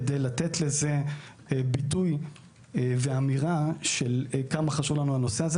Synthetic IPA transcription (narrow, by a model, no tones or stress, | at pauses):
dejlatetle̞ze | bituj | ve̞amiʁaʃelkamaχaʃuvlanuano̞seaze